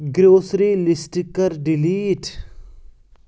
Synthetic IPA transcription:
ɡɾoːsɾilɪsʈikəɾɖɪliːʈ

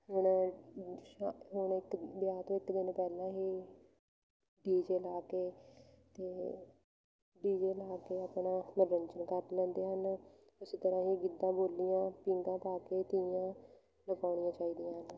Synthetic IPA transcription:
ɦʊn | ɦʊɳɪkbjaːt̪õːɪkd̪ɪnpɛːlãːɦiː | ɖiːd͡ʒeːlaːkeːt̪eː | ɖiːd͡ʒeːlaːkeːaːpɳãːməɾːəɲt͡ʃənkəɾt̪lɛ̃ːnd̪eːɦən | ʊsiːt̪əɾãːɦiːɡɪd̪ãːboːlːijãːpiŋɡãːpaːkeːt̪ɪjãː | ləkaːɳ̃ijãːt͡ʃaːiːd̪ijãːɦən

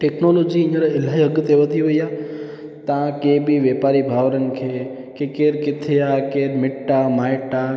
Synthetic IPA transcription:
ʈeknolod͡ʒiəɲaɾaɪlajəɡət̪eʋəd̪iɦoja | t̪ãkebiʋepaɾibʱaʋɾənkʰe | kekeɾkɪt̪ʰejakeɾmɪʈːamajʈa

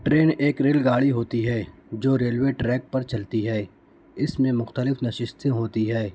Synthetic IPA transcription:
ʈɾeːneːkɾeːlɡaːɽiɦoːt̪iɦɛːd͡ʒoːɾeːlweːʈɾɛːk̚pɐɾt͡ʃɐlt̪iɦɛː | ɪsmẽmʊxt̪əlɪfnɐʃɪʃt̪ẽɦoːt̪iɦɛː

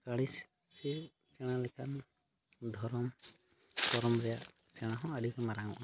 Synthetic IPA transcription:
kaɽis | sɛ | sɛɽ̃alɛkʰan | d̪ʱɔɾɔm | pɔɾɔmɾɛjaʔ | sɛɽ̃aɦɔ̃aɖikɛmaɾaŋɔ̰ʔna

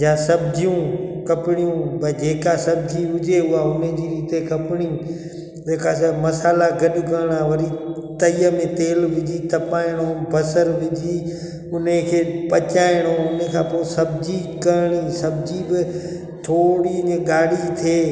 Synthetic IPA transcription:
jãːsɐbd͡ʑijũkɐpɪɽijũbɐd͡ʑeːkasɐbd͡ʑiʋʊd͡ʑeʊaʊnəd͡ʑiːɾiːt̪ekɐpɪɽ̃ĩ | d͡ʑeːkasmɐsaːlaɡʱɐɗʊɡɐɾɪɽ̃aʋɐɾit̪ɐiːəmẽt̪eːlʋʊd͡ʑiːt̪ʰɐpaːɪɽ̃õbʱɐsəɾʋɪd͡ʑi | ʊnəkʰeːpɐt͡ɕaːɪɽ̃õʊnekʰãːpoːsɐbɪd͡ʑikɐɾɪɽ̃isɐbd͡ʑibɪ | t̪ʰoːɽiɲɠaːɽit̪ʰeː

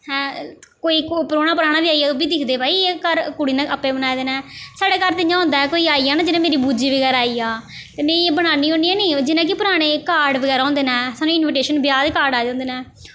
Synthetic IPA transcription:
hɛ̃ːkoːiːkpəɾoːnaːpəɾaːɽ̃aːbiːaːiaːoːbiːd̪ɪkʰd̪eːbaːiːeːkəɾkʊɽiːnɛ̃ːʔəpːẽːbənaːed̪eːnɛːsaːɽeːkəɾt̪ɪɲãːɦʊ̃nd̪aːɦɛkoːiːaːiːaːnaːd͡ʒɪnãːmeːɾiːbuːd͡ʒiːʋəɡɛːɾaːiːaː | t̪eːmẽːieːbəɽ̃aːniːɦõːniːɛːniːd͡ʒɪnãːk̬ɪpʊɾaːɽ̃eːkaːɖʋəɡɛːɾaːɦõːnd̪eːnɛːsaːnũːɪnʋɪʈeːʃənbjaːd̪eːkaːɾɖaːd͡ʒãːnd̪eːnãː

